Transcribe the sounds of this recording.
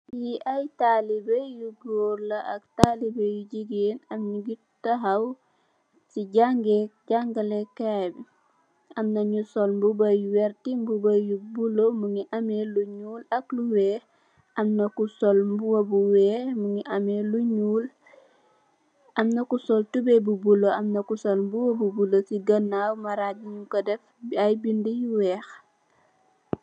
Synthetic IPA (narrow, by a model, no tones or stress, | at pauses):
jiʔɐjtalibejuɡoːɾlɐʔɐk̚talibejuɟiɡeːnɐmɲuɡi | tɐɦɐw | siɟaŋɡɛɟaŋɡɐlɛkabi | ɐmnɐɲusɔlmbubɐjuwɛɾtimbubɐjubulomuŋiʔɐmeluɲuːlɐkluwɛː | ɐmnɐkusɔlmbuwɐbuwɛːmuŋiʔɐmɛluɲuːl | ɐmnɐkusɔltubɛbubuloɐmnɐkusɔlmbuwɐbubulosiɡɐnːaːwmɐɾadiɲukɔdɛf | ɐjbindijuwɛːx